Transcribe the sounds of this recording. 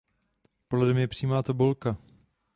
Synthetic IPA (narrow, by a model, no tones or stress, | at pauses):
polɛdɛmjɛpr̝̥iːmaːt̪abolka